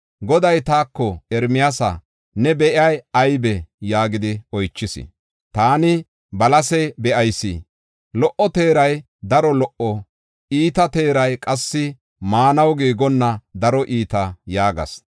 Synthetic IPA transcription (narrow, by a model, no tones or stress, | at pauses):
ɡɔd̪ɐjt̪aːkːɔɛɾmɪjasɐ̰ | nɛbɛʔɪɐjɐjbɛjaːɡɪd̪ɪɔjt͡ʃːɪsɪ̰ | t̪aːnɪ | bɐlɐsɛbɛʔɐjsḭ | lɔʔːɔt̪eːɾɐj | d̪ɐɾɔlɔʔɔ | iːt̪ɐt̪e̞ːɾɐjkʼɐsːɪ | maːnɐwɡiːɡɔnːɐd̪ɐɾɔʔiːt̪ɐjaːɡɐ̰s